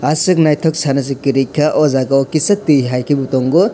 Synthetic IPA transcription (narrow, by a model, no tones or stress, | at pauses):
asɯk̚najtʰɔk̚sʰanɐs̬ɯkiɾikʰːaʔɔzaɡaɔkisɐtiɦajkʰibutɔŋɡɔ